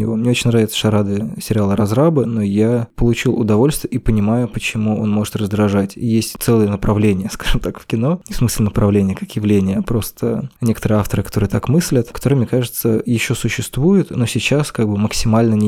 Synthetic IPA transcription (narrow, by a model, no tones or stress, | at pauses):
ɪvo̞mnʲeo̞t͡ɕɪnʲravʲɪt̪sə̥ʂɐɾad̪ɨəsʲɪɾʲɪalˠəɾɐzɾabɨno̞japəlˠʊt͡ɕilˠʊd̪ɐvo̞lʲst̪vʲɪəipənʲɪmajʊpət͡ɕɪmuo̞nmo̞ʐɨt̪rəzd̪ɾɐʐatʲjesʲtʲt̪sɛlˠɨjənəpɾɐvlʲenʲɪjəskaʐ̥ɨmt̪akfkʲɪno̞nʲɪfsmɨsʲlʲɪnəpɾɐvlʲenʲɪjəkakjɪvlʲenʲɪjəpɾo̞st̪ʰənʲe̞kət̪əɾɨjəaft̪əɾɨkɐ̥t̪o̞ɾɨjt̪akmɨsʲlʲət̪kɐt̪oɾɨmnʲekaʐɨt̪səjɪɕːo̞sʊɕːɪst̪vujɪt̪no̞sʲɪt͡ɕaskaɡ̚bɨməksʲɪmalʲnənʲɪ